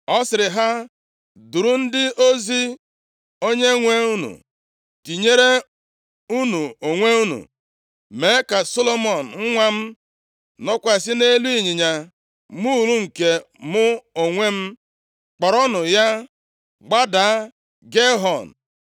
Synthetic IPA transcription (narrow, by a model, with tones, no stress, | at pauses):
ɔ˦sɪ˨ɾɪ˨ɦa˦ | du˨ɾu˦n̩˦dɪ˦o˦zi˦ | o˦ɲe˦ŋʷe˦u˦nṵ˨ | ti˨ɲe˦ɾe˦ | u˦nu˨o˨ŋʷe˦u˦nṵ˨ | me˨˦ka˨so˦lo˦mɔ˨n̩˨ŋ̩˦ŋʷa˦m̩˦ | nɔ˦kʷa˨s̬ɪ˦ne˦lu˦i˦˨ɲi˨ɲa˨ | mu˦˨lu˦ŋ̩˨ke˨ | mʊ˦o˨ŋʷe˦m̩˦ | k͡pɔ˨ɾɔ˦nʊ˨ja˦ | ɡ͡ba˦da˨˦ | ɡe˦ɦɔ˨n̩˨